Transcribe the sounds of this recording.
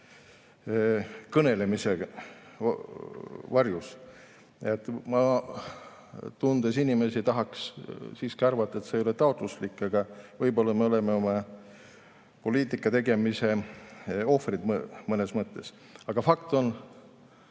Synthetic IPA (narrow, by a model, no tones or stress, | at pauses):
kɤne̞le̞mise | vɑrjus | et̪ːˑmɑ | t̪und̪esinʲime̞sit̪ɑɦɑkssiːskiɑrvɑt̪ːɑet̪sejo̞let̪ɑo̞t̪ˑluslikːˑɑɡ̥ɑvɤjbo̞lːɑme̞o̞le̞meo̞mɑ | po̞liːt̪ˑikːˑɑt̪e̞ɡe̞mise̞ | o̞frid̪mɤne̞smɤt̪ːˑe̞s | ɑɡ̥ɑfɑkt̪o̞n